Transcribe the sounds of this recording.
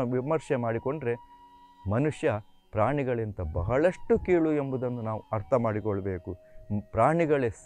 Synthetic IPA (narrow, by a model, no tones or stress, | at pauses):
ɐʋimɐɾʂɛmaːɽiko̞ɳɖɾe̞ | mɐnuʂjɐ | pɾaːɳiɡɐɭint̪ɐbɐɦɐɭɐʂʈːukiːɭuembud̪ɐnːunaːʋuɐɾt̪ʰɐmaːɽikɔɭːɐbe̞ːku | pɾaːɳiɡɐɭes